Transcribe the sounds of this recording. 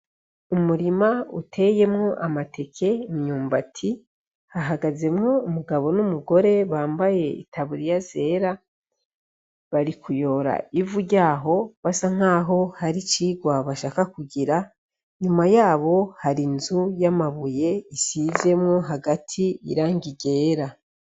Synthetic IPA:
umuɾimaṵtʰe̞je̞mŋo̞ʔamatʰe̞kʰe̞mɲuːmbatʰi | haɦaɡaze̞mŋo̞umuɡaβo̞numuɡo̞ɾe̞βaːmbaje̞ḭtʰaβuɾijaze̞ːɾa | βaɾikujo̞ːɾa̰ivuɾɟaːɦo̞βasaŋ̥aːɦo̞haɾit͡ʃiːɡwaβaʃaːkakuɟiɾa | ɲumajaːβo̞haɾinzujamaβuje̞isize̞mŋo̞ɦaɡatʰiḭɾaːŋɡiɟe̞ːɾa

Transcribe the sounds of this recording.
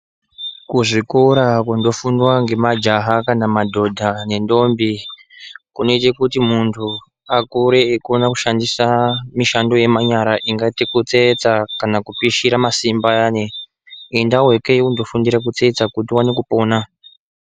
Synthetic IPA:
kuʐikoɾakundo̞fundwaŋɡe̞mad͡ʒaɦakanamadʱo̞dʱane̞ndo̞mbi | kune̞t͡ʃe̞kutimuntʰu | akuɾe̞ːkonaku̥ʃandisamiʃando̞je̞maɲaɾaʔiŋɡatikut͡set͡sakanakupiʃiɾamasimbajane | indawe̞keundo̞fundiɾak̬ut͡se̞t͡sakutiwanekupo̞ːna

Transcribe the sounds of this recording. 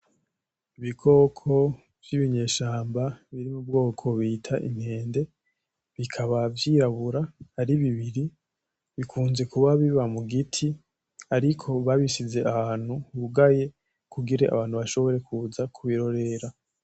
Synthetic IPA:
iβikʰo̞ːkʰo̞ | vjiβiɲe̞ːʃaːmbaβiɾimub̚ɡo̞ːkʰo̞βitʰaʔḭmihe̞ːnde̞ | βikʰaβavjiːɾaβuɾahaɾiβiβiɾi | βikʰuːnze̞kuβaβiβamuɡitʰi | aɾikʰo̞βaβiʃize̞ʔahaːn̥huβuɡaje̞ | kuɡiɾeʔa̰βaːn̥huβaʃo̞βo̞ɾe̞kuzakʰuβiɾo̞ɾe̞ɾa

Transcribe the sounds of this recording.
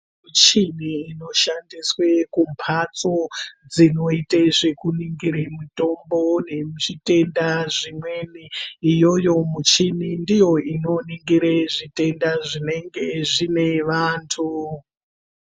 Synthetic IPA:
mut͡ʃiniːno̞ʃandiswe̞kumpʰat͡sod͡zino̞iteʐe̞kuniŋɡiɾemuto̞mbo̞ne̞ʐite̞ndaʐimweniːjo̞jo̞mut͡ʃinindijo̞ino̞niŋɡiɾeʐite̞ndaʐine̞ŋɡeʐine̞ʋaːntʰu

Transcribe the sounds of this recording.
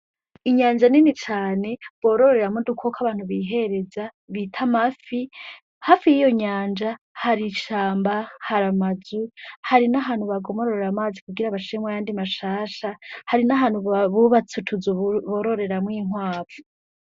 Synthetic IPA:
iɲaːnd͡ʒaninit͡ʃaːne̞βo̞ːɾo̞ɾe̞ɾamudukʰokʰaβaːn̥huβiɦe̞ɾe̞za | βiːtʰamafi | haːfijijo̞ɲaːnd͡ʒa | haɾiʃaːmbahaɾamazuhaɾinaɦaːn̥huβaɡo̞moɾoɾeɾamaːzikuɡiɾaβaʃiɾemwajaːndimaʃaːʃahaɾinaɦaːn̥huβuβat͡sutʰuzuβoɾo̞ɾe̞ɾamŋiːŋ̥waːpu

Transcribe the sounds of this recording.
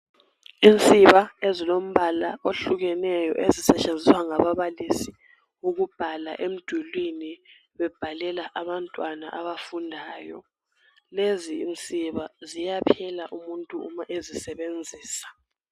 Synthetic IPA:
int͡sʼiβaezilom̩βalaoɬuɣɛnɛjɔ̰ʔezisɛt͡ʃʼend͡zʱiswaŋaβaβalisi | uɣub̥ʱala̰ʔem̩d̥ʱulwini | βɛb̥ʱalɛlaʔaβantʼwana̰ʔaβafundʱaːjɔ̰ | leziːnt͡sʼiβazijapʰɛlaʔumuntʼuṵmaʔezisɛβend͡zʱiːsḁ

